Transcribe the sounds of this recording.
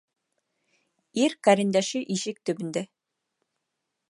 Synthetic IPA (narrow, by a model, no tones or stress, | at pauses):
iɾkæɾɘ̆nd̪æʃɘʔiʃɘk̚t̪ɵ̆bɘ̆nd̪æ